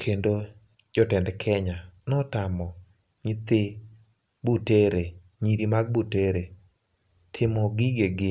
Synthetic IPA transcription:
kʰendo | d͡ʒɔtɛndɛkʰɛɲanɔtamɔ | ɲɪt̪ɪ | buteɾe | ɲiɾimaɡ̚buteɾe | tʰɪmɔɡɪɡeɡɪ

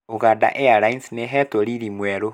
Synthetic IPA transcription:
oɣada̰ʔeaɾainsneɦɛtoɾiɾimwɛɾo

